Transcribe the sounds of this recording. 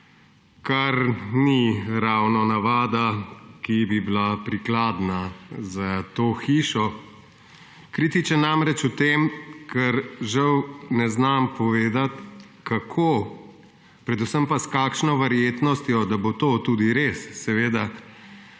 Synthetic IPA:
kaɾniɾawnɔnaʋaːd̪akibibilapɾiklaːd̪nazat̪oːxiːʃɔ | kɾit̪it͡ʃɛnamɾɛt͡ʃut̪emkʰɛɾʒawnɛznampɔʋeːd̪at̪ | kakʰo | pɾɛd̪usəmpaskaːkʃnɔʋaɾjeːt̪nɔst̪jɔd̪abot̪oːt̪ud̪iɾesːɛʋeːd̪a

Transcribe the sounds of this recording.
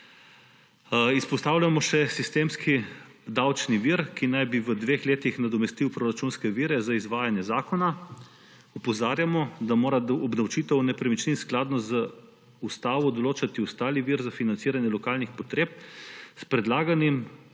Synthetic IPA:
ispɔst̪aːwlʲamɔʃɛsist̪eːmskid̪awt͡ʃniʋiɾkinajbiʋəd̪ʋeːxleːt̪ixnad̪ɔmɛst̪iwpɾoɾat͡ʃunskɛʋiːɾɛzaizʋaːjanjɛzaːkɔna | ɔpɔzaːɾjamɔd̪amoːɾaɔbd̪awt͡ʃiːt̪ɛwnɛpɾɛmit͡ʃninsklaːd̪nɔzə | ust̪aːʋɔd̪ɔloːt͡ʃat̪iɔst̪aːliʋiːɾzafinant̪siːɾanjɛlɔkaːlnixpɔt̪ɾeːp̚spɾɛd̪laːɡanim

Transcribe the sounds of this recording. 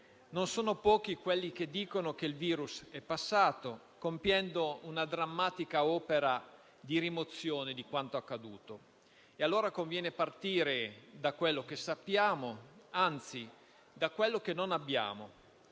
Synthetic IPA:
nonsoːnopɔːk̟ikwelːik̟ed̪ːiːkonok̟eilviːɾusɛpːasːaːt̪o | kompjɛnd̪ounad̪ɾamːaːt̪ikaɔːpeɾa | d̪iɾimot̪sːjoːned̪ikwant̪oakːad̪uːt̪o | ealːoːɾakoɱvjɛːnepart̪iːɾed̪akwelːok̟esapːjaːmoant̪si | d̪akwelːokenːonabːja̰ːmo

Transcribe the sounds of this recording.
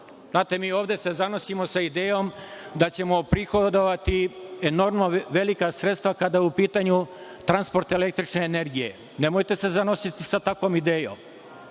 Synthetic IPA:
znaːt̪emiːoːvd̪e̞sezano̞simosaid̪eːjomd̪at͡ɕe̞mo̞pɾixod̪oʋat̪ieno̞ɾmnoʋe̞likasɾet̪st̪ʋakad̪ajeupiːt̪aɲut̪ɾanspo̞ɾt̪ele̞k̚t̪ɾit͡ʃne̞ːne̞ɾɡijḛ | nemoːjt̪e̞se̞zano̞sit̪isat̪akoːmid̪eːjo̰ːm

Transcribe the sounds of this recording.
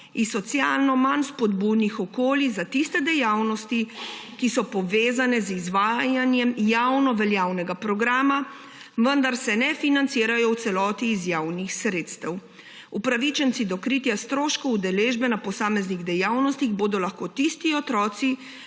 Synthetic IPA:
isːɔt̪sjaːlnɔmanspɔd̪buːd̪nixɔkoːlizat̪ist̪ɛd̪ɛjaːwnɔst̪ikisɔpɔʋeːzanɛzizʋaːjanjɛmjawnɔʋɛljaːwnɛɡapɾɔɡɾaːma | ʋənd̪aɾsɛnɛfinant̪siːɾajɔwt̪sɛlɔːt̪iːzjaːwnixsɾeːt̪st̪ɛw | upɾaʋit͡ʃɛnt̪sid̪ɔkɾit̪jast̪ɾoːʃkɔud̪ɛleʒbɛnapɔsaːmɛzniɣd̪ɛjaːwnɔst̪iɣboːd̪ɔlaxkoːt̪ist̪iɔt̪ɾɔːt̪si

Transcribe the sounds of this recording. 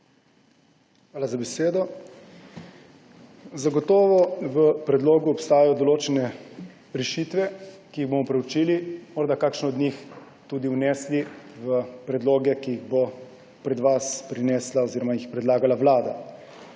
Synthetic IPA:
xʋaːlazabɛseːd̪ɔ | zaɡɔt̪ɔːʋɔʋəpɾɛd̪loːɡuɔpst̪aːjajɔd̪ɔloːt͡ʃɛnɛ | ɾɛʃiːt̪ʋɛkiiɣboːmɔpɾɛut͡ʃiːlimɔɾd̪akaːkʃnɔɔd̪nɲix | t̪uːd̪iunɛːsliʋəpɾɛd̪loːɡɛkiiɣbo | pɾɛd̪ʋaspɾinɛːslaoziːɾɔmajixpɾɛd̪laːɡalaʋlaːd̪a

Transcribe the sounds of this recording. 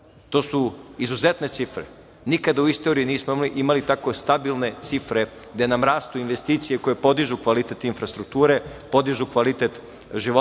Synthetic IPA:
t̪o̞ːsuizuzet̪ne̞t̪sifɾḛ | nikad̪auist̪oɾijuniːsmoimliʔimalit̪akost̪abilˠne̞t̪sifɾe̞ | ɡd̪enamɾaːst̪uinʋe̞st̪iːt̪sijeko̞jepo̞d̪iʒukʋalit̪et̪infɾast̪ɾuk̚t̪uːɾe̞po̞d̪iʒukʋalit̪et̪ | ʒiʋo

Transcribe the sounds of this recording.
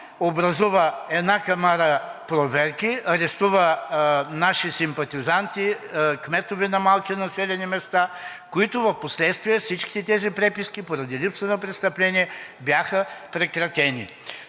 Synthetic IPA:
obɾɐzuvəɛd̪nakamaɾəpɾovɛɾkiɐɾɛst̪uvənaʃisimpɐt̪izant̪ikmɛt̪ovɛnɐmalˠkʲinɐsɛlʲɛnimɛst̪a | koit̪ʊvɐfposlɛt̪st̪vijɛfsit͡ʃki̥t̪ɛt̪ɛzipɾɛpiskipoɾɐd̪ilipsənɐpɾɛt̪st̪ɐplɛniɛbjaxəpɾɛkɾɐt̪ɛnḭ

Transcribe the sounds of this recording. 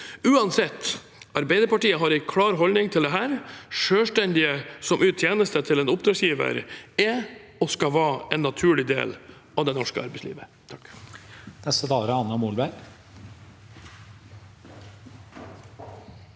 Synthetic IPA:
ʉːɑnsɛt̪ː | ɑɾbæɪd̪əɾpɑʈiːəɦɑɾɛkʰlɑːɾɦɔlnɪŋt̪ʰɪld̪ɛɦæːɾʂøːʂʈɛnd̪ɪəsɔmʉːt̪ʰjeːnəst̪ət̪ʰɪlɛːnʊpd̪ɾɑːɡsjiːʋə̰ɾɛɔskɑʋɑːɛnːɑt̪ʰʉːɭɪd̪ḛːl | ɑʋd̪ɛnɔʂkəɑ̰ɾbɛɪslḭːʋət̪ʰɑ̥k | nɛst̪əd̪ɑːɾəɑnːəmuːlbæɾ

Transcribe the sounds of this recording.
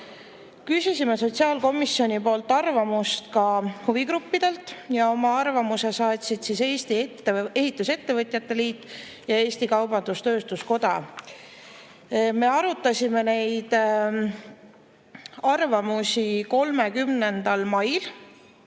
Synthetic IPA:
kysʲisime̞so̞t̪siɑːlko̞misːo̞nʲipo̞ːlt̪ːˑɑrvɑmust̪kɑhuvikɾupːid̪̥e̞lt̪ːˑjɑo̞mɑɑrvɑmuse̞sɑːt̪sid̪sise̞ːst̪iet̪ːee̞ɦit̪ːˑuse̞t̪ːe̞vɤt̪ʲˑjɑt̪ːˑe̞liːt̪ːˑ | jɑe̞ːsʲt̪ikɑwb̥ɑnd̪̥ust̪ø̞ːst̪usko̞d̪̥ɑ̰ | me̞ɑɾut̪ːˑɑsʲime̞ne̞jd̪̥ | ɑrvɑmusiko̞lme̞kymne̞nd̪̥ɑlmɑjl

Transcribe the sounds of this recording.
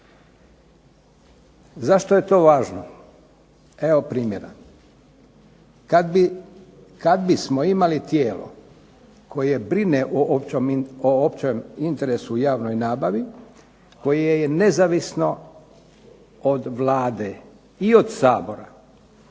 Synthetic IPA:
zaʃt̪oje̞t̪o̞ːʋaːʒno | e̞o̞pɾiːmjeɾa̰ | kabi | kad̪bismo̞imalit̪jeːlo̰ | kʰo̞je̞bɾineʔoopomoopt͡ɕemint̪e̞ɾesujaːʋno̞jnaːbaʋi | ko̞jejene̞zaʋisno̞ | od̪ʋlˠaːd̪e | iod̪saːbo̞ɾa

